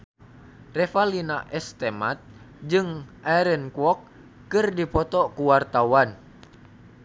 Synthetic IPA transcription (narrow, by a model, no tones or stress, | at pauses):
rɛfalina̰ʔɛst̪ɛmat̪̚ | d͡ʒɨŋʔaɾɛnkuɔk̚ː | ɨrdipɔt̪ɔkuwart̪awan